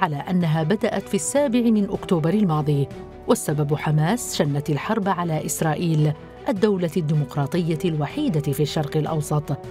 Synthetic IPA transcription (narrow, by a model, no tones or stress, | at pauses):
ʕalaːʔanːaɦaːbad̪aʔat̪fiːasːaːbɪʕɪmɪnʔʊkt̪uːbɑɾˤɪlmɑːd̪ˤiː | wasːababħamaːsʃanːat̪alħɑɾˤbʕalaːʔɪsɾˤɑːʔiːl | ʔad̪ːawlad̪ːiːmʊqɾˤɑːt̪ˤɨjːalwaħiːd̪afiːʃːɑɾˤqɪlʔɑ̰wsˤɑt̪ˤ